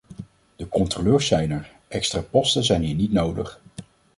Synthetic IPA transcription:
d̥əkɔntroløːɹsɛjnɛɹ | ʔɛkstraːpɔstənzɛjnɦiːɹnitnowdəχ

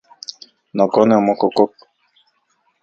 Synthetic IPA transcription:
nɔkɔnɛɔmɔkokok̚

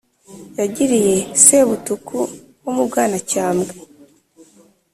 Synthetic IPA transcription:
jaɟiɾije̞seβutukʰu | womub̚ɡaːnacaːmɡe

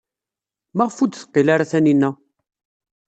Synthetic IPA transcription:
maʁfud̪θə̥qːilaɾaθæninːæ

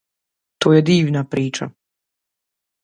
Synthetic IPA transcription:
t̪oːjed̪iːʋnapɾiːt͡ʃa̰

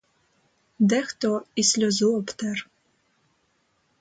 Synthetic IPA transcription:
d̪ɛxt̪ɔisʲlʲɔzuɔpt̪ɛr

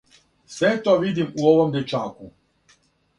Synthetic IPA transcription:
sʋet̪oːʋid̪imuoʋomd̪et͡ʃaːku

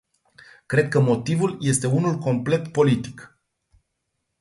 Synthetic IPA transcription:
kɾe̞d̪̚kəmo̞t̪ivulje̞st̪e̞unulko̞mple̞t̪po̞lit̪i̥k

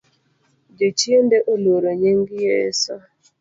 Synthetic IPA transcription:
d͡ʒet͡ʃiendeʔoloɾoɲeŋɡijḛsa

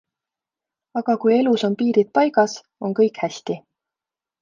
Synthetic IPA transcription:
ɑɡ̥ɑkuje̞luso̞npiːɾid̪̚pɑjɡ̥ɑs | o̞ŋkɤjkhæsʲt̪i

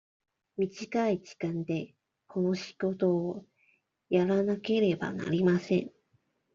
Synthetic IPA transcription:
mʲiʑikaiʑi̥kãnd̪e̞ | kʰo̞no̞ɕi̥ɡ̥o̞t̪o̞ː | jaɾanake̞ɾe̞ba̰na̰ɾʲimasẽ̞ŋ

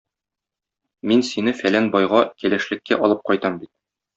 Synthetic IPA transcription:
minsinɘfælænbɒjʁɑkælæʃlɘ̆kːæʔɒlˠɤp̚qɒjt̪ɑmbit̪̚

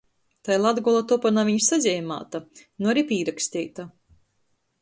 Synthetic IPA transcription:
t̪ajlˠad̪ɡɔlˠat̪ɔpanaːviɲsazʲɛːma̰ːt̪anuaɾipʲiːɾakst̪iːt̪a

